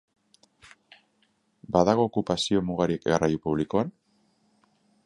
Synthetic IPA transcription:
baðaɣ̞o̞ːkupasio̞muɣaɾiekerajupuβ̞liko̞an

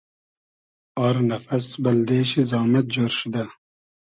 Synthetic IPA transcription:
aːɾnɐfɐsbɐld̪eːɕezɑːmɐt̪̚d͡ʑoɾʃud̪a

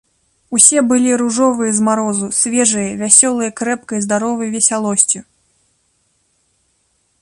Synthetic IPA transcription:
usʲɛbɨlʲiɾuʐɔvɨjɐzmaɾɔzusʲvʲɛʐɨjɐvʲasʲɔlˠɨjɐkɾɛpkɐjzd̪aɾɔvɨjvʲɛsʲalˠɔsʲt͡sʲi

